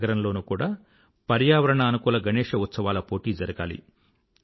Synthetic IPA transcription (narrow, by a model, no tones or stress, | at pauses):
ɡɐɾɐmlo̞ːnukuːɽaː | pɐɾjaːʋɐɾɐɳɐːnukuːlɐɡɐneːʂɐut̪sɐʋaːlɐpo̞ːʈiːd͡ʒɐɾɐɡa̰ːlḭ